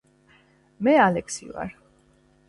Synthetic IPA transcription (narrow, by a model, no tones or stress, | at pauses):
mɛalɛksḭva̰ɾ